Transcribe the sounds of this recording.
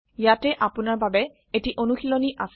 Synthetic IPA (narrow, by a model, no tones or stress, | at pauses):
jatɛʔapʊnaɹbabɛ | etiʔonuxilɔniʔas